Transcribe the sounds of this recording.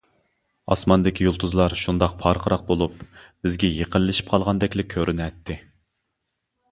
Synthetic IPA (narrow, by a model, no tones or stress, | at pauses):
ɑ̰smɑnd̪ɪkʲijolˠt̪ʰuzlˠɑɾʃund̪ɑqpʰɑɾqʰəɾɑq̚bolˠupb̥ɪzɡʲɛjeqəllɪʃi̥p̚qʰɑlˠʁɑnd̪ɛkʲlɪkʲʰøɾʔynɛt̪ʰːɪ